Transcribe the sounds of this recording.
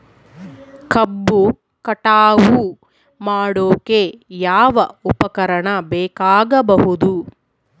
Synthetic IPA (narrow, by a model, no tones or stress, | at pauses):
kʰɐbːu | kɐʈaːʋu | maːɽoːkejaːʋɐupɐkɐɾɐɳɐbɛːkaːɡɐbɐɦud̪u